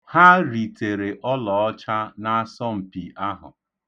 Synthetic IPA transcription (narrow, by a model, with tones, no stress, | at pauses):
ha˦ɾi˨te˨ɾe˨ʔɔ˦lɔ˨ɔ˦t͡ʃa˦na˦a˦sɔ˦m̩˨pi˨ʔa˦ɦʊ̰˨